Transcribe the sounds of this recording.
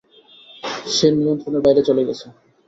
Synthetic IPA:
ʃenimont̪ɾoneɾbajɾet͡ɕoleɡɛt͡ɕʰe

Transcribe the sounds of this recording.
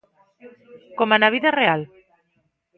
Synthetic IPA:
komanaβiðareal

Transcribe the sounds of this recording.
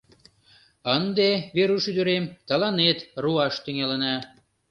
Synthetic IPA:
ənd̪eβeɾuʃyd̪ə̆ɾemt̪ɑlɑnet̪ruɑʃt̪yŋelənɑ

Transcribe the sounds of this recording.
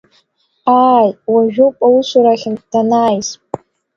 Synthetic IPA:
aːjwaʒᶣopʼawusʷuɾaχʲɪnd̥anaːjspʼ

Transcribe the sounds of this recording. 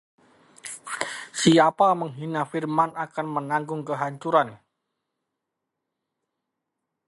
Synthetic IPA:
siapaməŋɦinafirmanakanmənaŋɡʊŋkəɦaɲt͡ʃuɾan

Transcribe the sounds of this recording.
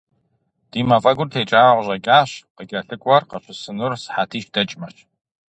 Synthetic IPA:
d̥iːmɐfʼɐɡʷʊrtʰeːt͡ʃʼaːʁʷʑɐkʲʼaːɕqəɡʲʼɐɬɨkʷʼɔrqɐɕʷʊsɨnʊrsħaːtʰiːʃd̥ɐt͡ʃʼmɐɕ

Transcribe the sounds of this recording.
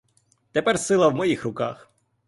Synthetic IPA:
t̪ɛpɛrsɪlˠɐwmɔjixrʊka̰x

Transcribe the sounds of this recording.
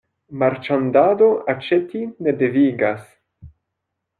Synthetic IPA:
maɾt͡ʃandado̞at͡ʃetine̞de̞viɡas

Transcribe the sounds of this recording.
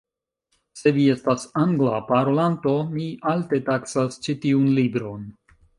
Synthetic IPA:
se̞vie̞stasaŋɡlapaɾolanto̞mialte̞taksast͡ʃitiunlibɾo̞n

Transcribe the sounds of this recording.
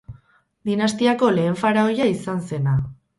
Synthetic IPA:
d̪inast̪iako̞le̞ːɱfaɾao̞jaisanse̞na

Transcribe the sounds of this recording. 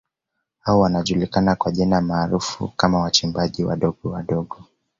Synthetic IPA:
hawɔwanaʄulikanakwaʄinamaːɾufṵkamawat͡ʃimbaʄiwa̰ɗɔɠɔwaɗɔɠɔ

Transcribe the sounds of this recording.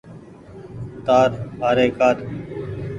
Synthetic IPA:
t̪aːɾbaːɾeːkaːɾ

